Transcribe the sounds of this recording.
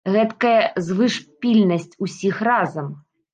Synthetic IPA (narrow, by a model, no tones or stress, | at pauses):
ɣɛt̪kɐjɐzvɨʂpʲilʲnɐsʲt͡sʲusʲixrazɐm